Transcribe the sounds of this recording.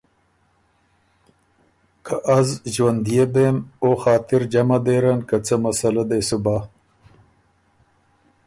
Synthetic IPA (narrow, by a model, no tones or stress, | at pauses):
kʰaʔazʒwand̪ijebemoxɑːt̪ɪɾd͡ʒamad̪eːɾankat͡səmasalad̪esuba